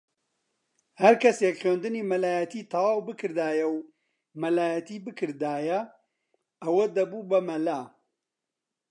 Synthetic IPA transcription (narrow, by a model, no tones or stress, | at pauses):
hɐɾkʰɐsekχeːnd̪ɨniːmɐlaːjɐt̪iːt̪ʰɐwaːwbɨkʰɨɾd̪aːjɐw | mɐlaːjɐt̪iːbɨkʰɨɾd̪aːjɐ | ɐwɐd̪ɐbubɐmɐlaː